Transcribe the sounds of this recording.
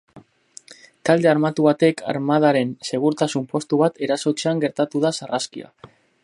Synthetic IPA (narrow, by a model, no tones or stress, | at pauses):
t̪ald̪eaɾmat̪uβ̞at̪e̞kʰa̰ɾmaðaɾe̞nse̞ɣ̞uɾt̪asumpo̞st̪uβat̪ʰe̞ɾaso̞t͡ʃeaŋɡe̞ɾt̪at̪uð̞asaraskḭa̰